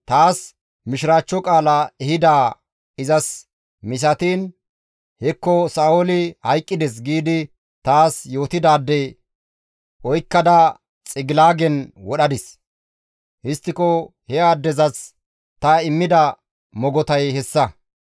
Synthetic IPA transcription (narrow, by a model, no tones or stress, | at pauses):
t̪aːs | mɪʃɾaːt͡ʃːɔkʼaːlɐɛɦɪd̪aː | ɪzɐs | mɪs̬ɐt̪iːn | hɛkːɔsaːʔɔlɪhɐjkʼːɪd̪ɛs̬ɡiːd̪ɪ | t̪aːsjo̞ːt̪ɪd̪aːd̪ːɛ | ʔɔjkːɐd̪ɐ | t͡sʼɪɡɪlaːɡɛnwɔɗɐd̪ɪs | hɪst̪ːɪkɔhɛaːd̪ːɛzɐs | t̪ɐɪmːɪd̪ɐ | mɔɡɔt̪ɐjhɛsːɐ